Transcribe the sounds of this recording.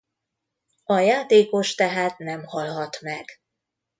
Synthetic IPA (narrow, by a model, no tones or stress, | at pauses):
ɒjaːt̪eːko̞ʃt̪ɛɦaːt̪nɛmhɒlɦɒt̪mɛɡ̥